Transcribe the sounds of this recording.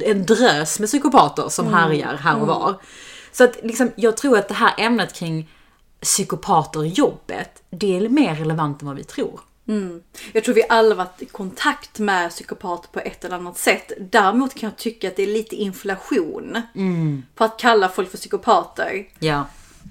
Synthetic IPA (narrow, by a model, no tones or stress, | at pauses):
ɛnd̪ɾøːsmɛsʏkʊpʰɑːt̪ə̰ɾsɔmɦaɾja̰ɾɦæːɾɔvɑ̰ːɾsɔat̪lɪksɔmjɑːɡ̚t̪ʰɾuːɾat̪̚d̪ɛɦæːɾʔɛmnət̪kʰɾɪŋː | sʏkʊpʰɑːt̪əɾjɔbːə̰t̪ | d̪ɛæɾmeːɾɛlɛvant̪ɛnvavɪ̰t̪ʰɾuːɾ | jɑkt̪ʰɾuːvɪʔalːavat̪ːkʰɔnt̪ʰakt̪mɛsʏkʊpʰɑːt̪əɾpʰɔʔɛt̪ʰːɛlɛanːat̪sɛt̪ːd̪æːɾɪmuːt̪kʰanjɑːt̪ʰʏkːat̪̚d̪ɛæɭiːt̪əɪnflaɧuːn | pʰɔat̪̚kʰalːafɔlkfœsʏkʊpʰɑːt̪ə̰ɾjɑː